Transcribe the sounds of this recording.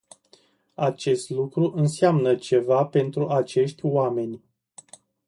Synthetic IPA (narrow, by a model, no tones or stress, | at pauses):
at͡ʃe̞st̪lukɾuʔɨnsamnət͡ʃe̞vape̞nt̪ɾuʔat͡ʃe̞ʃt̪ʲwame̞nʲ